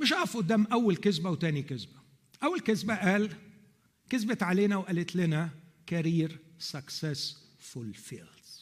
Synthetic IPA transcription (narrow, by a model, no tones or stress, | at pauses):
mɪʃʔɑːfʔʊd̪ːæːmʔæwːalkɪzbawt̪æːnikɪzbæ̥ | ʔæwːalkɪzbæʔæːl | kɪzbɪt̪ʕaleːnæwʔælɪt̪lɪnæ | kaɾiːɾsaksæs | fʊlfiːlz̥